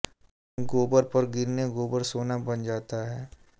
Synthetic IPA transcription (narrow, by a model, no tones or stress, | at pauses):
ɡoːbəɾpɐɾɡɪɾneɡoːbəɾsoːnabɐnd͡ʒaːt̪aɦɛː